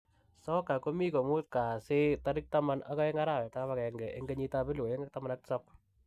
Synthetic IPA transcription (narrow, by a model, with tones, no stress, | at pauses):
sɔ˦ka˨ko˦mi˦ko˨mu˦t̚ka˨se˦ta˦ɾɪ˦k̚tama˦nʔa̰˦kɔ˦e˦ŋa˦ɾa˦˨wɛ˨ta˦kaβa˨kɛ˨ŋɡɛ˨ʔe˦ŋɡe˦ɲita˦pe˦lo˨je˦ŋk̚ta˦ma˦nak̚tsap